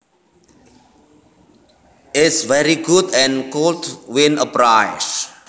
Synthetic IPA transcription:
ɪsʋɛɾiɡudɛ̃nkoltwɪ̃nəpɾaɪs

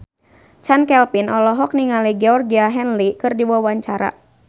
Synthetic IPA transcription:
t͡ʃankɛlpinʔɔlɔɦɔk̚niŋaliɡɛɔrɡiaɦɛnlikɨrdiwɔwaɲt͡ʃaɾa̰

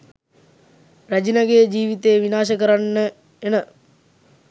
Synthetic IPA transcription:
ɾæd͡ʒinaɡejəd͡ʑiːʋit̪ejʋinaːʃəkəɾanːə | ena

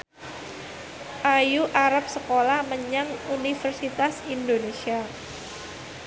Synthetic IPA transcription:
ʔajuʔaɾap̚səkolahməɲaŋunifərsit̪asindonesia

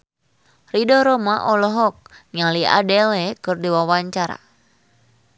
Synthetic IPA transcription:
ridɔɾɔmaʔɔlɔɦɔk̚ɲalia̰dɛlɛkɨrdiwawaɲt͡ʃaɾa̰

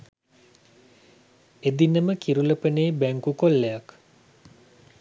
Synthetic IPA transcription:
ed̪inəməkiɾuləpəneːbæŋkukolːejak

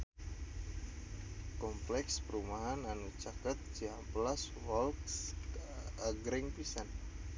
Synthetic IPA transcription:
kɔmplɛkspəɾumaɦananut͡ʃakat̪̚d͡ʒiamplas | wɔlks | ɡɾɛŋpisan

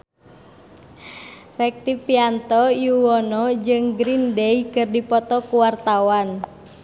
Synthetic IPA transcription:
fɛk̚t̪ipiant̪ɔjuwɔnɔd͡ʒɨŋɡɾindeikɨrdipɔt̪ɔkuwart̪awan

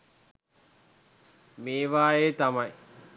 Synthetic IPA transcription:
meːʋaːjeːt̪amɐj

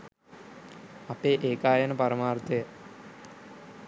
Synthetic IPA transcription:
ɐpeːʔeːkaːjanəpɐɾəmaːrt̪ɐjə

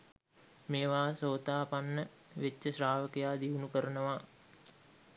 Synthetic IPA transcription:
meːʋaːsoːt̪aːpanːə | ʋet͡ʃːəsraːʋəkəjaːd̪iʋunukəɾənəʋa

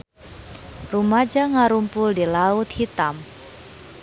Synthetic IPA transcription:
rumad͡ʒaŋaɾumpʊldilaʊt̪̚hit̪am

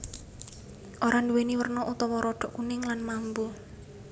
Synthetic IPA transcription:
ʔoɾanduweniwərnɔʔut̪ɔwɔɾɔɖ̥ɔ̤ʔkunɪŋlanmambu

